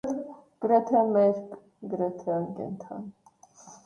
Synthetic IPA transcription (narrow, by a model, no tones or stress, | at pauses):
ɡ̥əɾɛt̪ʰɛmɛɾk | ɡəɾɛt̪ʰɛkɛ̰nt̪ʰɑ̰n